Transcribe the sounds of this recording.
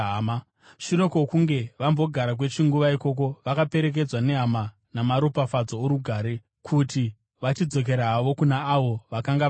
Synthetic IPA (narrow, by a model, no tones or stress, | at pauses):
ma | ʃiɾo̞kokuŋɡe̞ʋambo̞ɡʱaɾak̬we̞t͡ʃiŋɡuʋaiko̞k̬o̞ʋakape̞ɾe̞k̬e̞d͡zwane̞ɦama | namaɾopafad͡zo̞ːɾuɡʱaːɾe̞ | kʰuti | ʋat͡ʃid͡zo̞k̬e̞ɾaːʋo̞kunaːʋo̞ʋakaŋɡa